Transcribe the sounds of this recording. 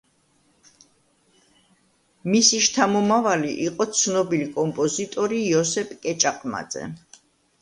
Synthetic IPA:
misiʃt̪ʰamɔmavaliʔiqʼɔt̪sʰnɔbilikʼɔmpʼɔzit̪ʼɔɾijɔsɛpʰʼkʼɛt͡ʃʼaqʼma̰d̪zɛ̰

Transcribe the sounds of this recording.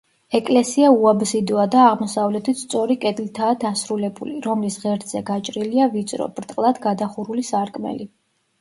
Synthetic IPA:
ɛkʼlɛsiauabzid̪ɔad̪aːʁmɔsavlɛt̪ʰit̪st̪sʼɔɾikʼɛd̪lit̪ʰaːd̪asɾulɛbuliɾɔmlisʁɛɾd̪z̥ɛɡat͡ʃʼɾiliavit̪sʼɾɔ̰b̥ɾt̪ʼqʼlˠad̪ɡad̪aχuɾulisaɾkʼmɛ̰li

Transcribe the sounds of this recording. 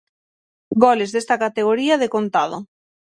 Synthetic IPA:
ɡɔlezðest̪akat̪eɣ̞oɾiɐð̞ekont̪að̞o̰

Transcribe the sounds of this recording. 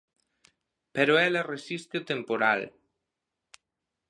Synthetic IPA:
peɾoɛleresist̪et̪empoɾa̰l

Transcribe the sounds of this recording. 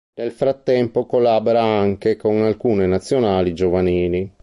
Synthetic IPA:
nelfɾat̪ːɛmpokolaːboɾaaŋkekonalkuːnenat̪sːjonaːlid͡ʒovaniːli

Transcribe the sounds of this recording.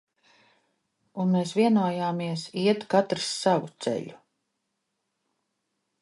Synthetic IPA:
unmeːsvʲiɛnuɔjaːmiɛsiɛt̪kat̪ɾi̥sːavut̪sɛ̰ʎʲu

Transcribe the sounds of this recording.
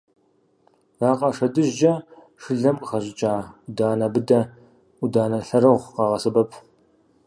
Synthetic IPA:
raːqʼɑʂɐdɨʒd͡ʒɐ | ʂɨɮɐmqʼχɐʑɪt͡ʃʼaːdaːnɐbɨdɐ | udaːnɐɬɐɾɐʁʷqɑːʁɐsɨbɐpʰ

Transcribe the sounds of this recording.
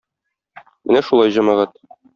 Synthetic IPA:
mɘnæʃulˠɑjʑɒmɑʁɑt̪

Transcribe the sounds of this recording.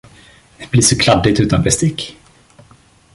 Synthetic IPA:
b̥liːʂɔkʰlad̪ːɪt̪ʉ̟ːt̪anbɛst̪ɪkː

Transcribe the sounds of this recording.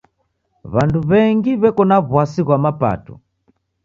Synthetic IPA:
βanduβɛŋɡiβɛkɔnaβwasiɣwamapa̰tṵ

